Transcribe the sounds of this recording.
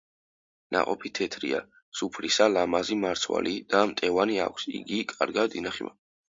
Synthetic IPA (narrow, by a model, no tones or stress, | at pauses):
na̰qʼɔpʰit̪ʰɛt̪ʰɾḭa̰ | supʰɾisalamazimaɾt̪sʰwa̰lid̪̥amt̪ʼɛvania̰kʷʰsḭɡikʼaɾɡad̪inaχima̰